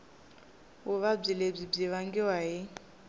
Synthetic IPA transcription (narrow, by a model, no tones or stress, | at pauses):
ɦʊβab͡ʐileb͡ʐib͡ʐiβaŋɡiwaɦɪ